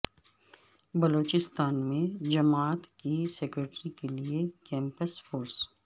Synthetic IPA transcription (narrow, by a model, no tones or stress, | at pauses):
bɐloːt͡ʃɪst̪aːnmẽd͡ʒɐmaːt̪kiseːkɾeʈɾikeliekɛ̃ːmpəsfoːɾs